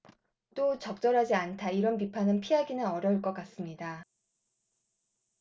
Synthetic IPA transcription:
t͈ot͡ɕʌk̚t͡ɕ͈ʌɾɦad͡ʑiantʰaiɾʌnp̬ipʰanɯnpʰiɦaɡinɯnʌɾjʌɯɭk͈ʌk͈as͈ɯmɲida

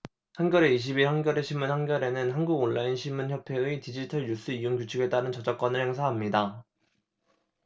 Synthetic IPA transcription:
hanɡʲjʌɾe̞iɕ̬ʰibihanɡjʌɾe̞ɕʰimːunɦhanɡjʌɾe̞nɯnɦanɡuɡonːainɕʰimːunçjʌpʰe̞itid͡ʑitʰʌɭjus͈ɯiuŋkut͡ɕʰɯɡe̞t͈aɾɯnt͡ɕʌd͡ʑak͈wʌnɯɭhe̞ŋsʰaɦamɲida

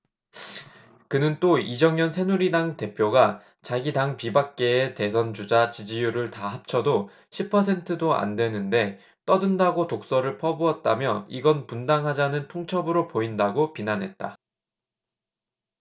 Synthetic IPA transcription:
kɯnɯnt͈oid͡ʑʌŋjʌnsʰe̞nuɾidaŋte̞pʰjoɡa | t͡ɕaɡidaŋpibak̚k͈e̞ete̞sʰʌnd͡ʑud͡ʑat͡ɕid͡ʑijuɾɯɭtahap̚t͡ɕʰʌdo | ɕʰipʰʌsʰe̞ntʰɯdoa̰ndwe̞nɯnde̞ | t͈ʌdɯndaɡotok̚s͈ʌɾɯɭpʰʌbuʌt̚t͈amjʌiɡʌnpundaŋɦad͡ʑanɯntʰoŋt͡ɕʰʌbɯɾopoindaɡopinanɦe̞t̚t͈a̰

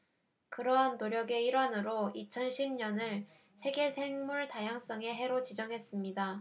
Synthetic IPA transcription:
kɯɾʌɦanːoɾjʌɡe̞iɾwanɯɾoit͡ɕʰʌnɕʰibɲʌnɯɭ | sʰe̞ɡe̞sʰe̞ŋmuɭtajaŋs͈ʌŋe̞ɦe̞ɾot͡ɕid͡ʑʌŋɦe̞s͈ɯmɲida

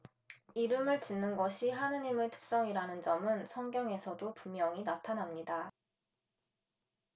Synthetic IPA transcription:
iɾɯmɯɭt͡ɕinːɯnɡʌɕʰiɦanɯɲimeɭtʰɯ̥k̚s͈ʌŋiɾanɯnd͡ʑʌmɯnsʰʌŋɡjʌŋe̞sʰʌdopumjʌŋinatʰanamɲida

